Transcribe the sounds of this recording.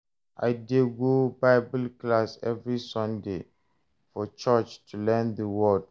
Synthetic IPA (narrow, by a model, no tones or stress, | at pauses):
ʔa̰ɪdeɡobaɪbəlklasɛvɹisɔ̃nde | fɔt͡ʃɔt͡ʃtʰulɛ̃ndəwɔd